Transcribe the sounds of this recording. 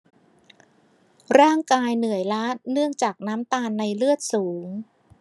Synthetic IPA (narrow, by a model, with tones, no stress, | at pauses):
ɾaː˥˩ŋkaː˧jnɯ˨˩əjlaː˦˥t̪̚nɯ˥˩əŋt͡ɕaː˨˩k̚naː˦˥mt̪aː˧nːa˧jlɯ˥˩ət̪̚suː˩˦ŋ